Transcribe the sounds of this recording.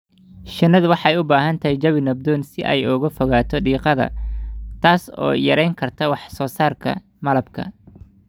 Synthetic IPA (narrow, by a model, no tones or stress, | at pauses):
ʃɪnːɐðwɑħɑɛjʊbaːɦɐnt̪ʰɐhɛjd͡ʒɐβɪnɐb̚d̪ɔːnsɪʔɛ̰jʊɣɐfɔɣaːt̪ʰɔɖiːqɑðɐ̰t̪ʰaːsɔ̰ːjɐɾɛjŋkʰɐrt̪ʰɐwɑħsɔːsaːrkʰɐ̰ | mɐlɐbkʰɐ̰